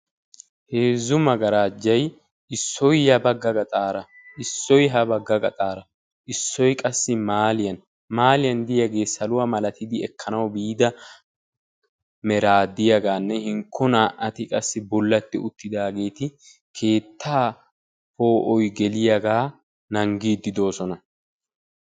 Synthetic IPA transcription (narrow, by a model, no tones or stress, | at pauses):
heːzːʊmɐɡɐɾaːd͡ʒːɐj | ʔɪsːɔjjɐbɐɡːɐɡɐt̪ʼaːɾɐ | ɪsːɔjɦɐbɐɡːɐɡɐt̪ʼaːɾɐ | ʔɪsːɔjkʼɐsːɪmaːlɪjɐn | maːlɪjɐnd̪ɪjɐɡe̞ːsɐlʊwaːmɐlɐt̪ɪd̪ɪɛkʰːɐnɐwbiːd̪ɐ | mɛɾaːd̪ːɪjɐɡaːnːɛhɪŋkʰːɔnaːʔɐt̪ɪkʼɐsːɪbɔlːɐt̪ːɪʊt̪ːɪd̪aːɡe̞ːt̪ɪ | kʰe̞ːt̪ʰːaː | po̞ːʔɔjɡɛlɪjɐɡaː | nɐŋɡiːd̪ːɪd̪o̞ːsɔnɐ